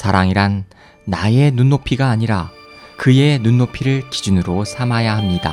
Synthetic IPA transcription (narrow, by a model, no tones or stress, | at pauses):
saɾaŋiɾanː | aje̞nunːopʰiɡaːɲiɾa | kɯe̞nunːopʰiɾɯɭkid͡ʑunɯɾosʰamajaɦamɲida̰